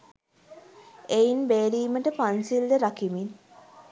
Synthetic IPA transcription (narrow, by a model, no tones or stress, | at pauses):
einbeːɾiːməʈəpansild̪əɾakimin